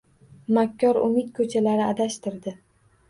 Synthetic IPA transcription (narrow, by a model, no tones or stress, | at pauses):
makʲʰːɒɾʊ̰mɪt̪kʰɵt͡ʃʰalaɾɪad̪aʃt̪ɪɾd̪ɪ